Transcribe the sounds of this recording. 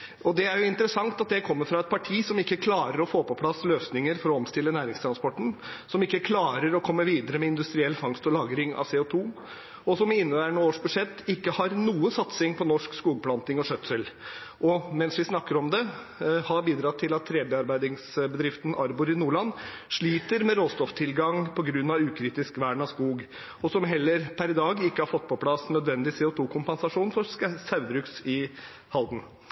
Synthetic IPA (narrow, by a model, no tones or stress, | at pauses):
ʔɔd̪ɛæɾjʊɪnt̪əɾəsɑŋt̪ɑt̪̚d̪ɛkʰɔmːəɾfɾɑɛt̪̚pʰɑʈʰiːsɔmɪkːəkʰlɑːɾəɾɔfoːpɔpʰlɑsløːsnɪŋəɾfɔɾɔɔmst̪ɪlːənæːɾɪŋst̪ʰɾɑnspɔʈːɳ̩sɔmɪkːəkʰlɑːɾəɾɔkʰɔmːəʋiːd̪əɾəmɛɪnd̪ʉst̪ɾɪɛlːfɑŋst̪ɔlɑːɡɾɪŋɑ̰ʋseːɔt̪ʰuː | ɔsɔmɪɪnːəʋæːɾəɳəoːʂbʉd̪ʂɛt̪ːɪkːəhɑɾnuːəsɑt̪sɪŋpʰɔnɔʂkskuːɡəpʰlɑnt̪ɪŋɔʂœt̪səlʔɔmɛnsʋɪsnɑkːəɾɔmd̪ɛ | hɑɾbiːd̪ɾɑt̪ʰːɪlɑt̪ʰːɾeːbeːɑɾbæɪd̪ɪŋsbəd̪ɾɪft̪ən̩ɑɾbʊɾɪnuːɭɑnː | ʂɭiːt̪əɾmɛɾoːst̪ɔft̪ʰɪlɡɑŋpʰɔɡɾʉnːɑʋʉːkʰɾiːt̪ɪskʋæɳɑskuːɡ | ɔsɔmɦɛlːəɾpʰæɾd̪ɑːɡɪkːəhɑɾfɔt̪ːpʰɔpʰlɑsnœd̪ʋɛnd̪ɪsɛːʊt̪ʰuːkʰʊmpɛnsɑʂuːnfɔɾssɑʉd̪ɾʉksɪ | hɑld̪n̩